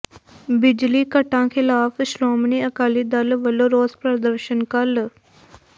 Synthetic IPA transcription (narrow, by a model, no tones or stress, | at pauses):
bɪd͡ʒlikəʈãkʰɪlaːfsloːmniəkaːlid̪ɐlʋəloɾoːzpɾəd̪əɾʃənkɐl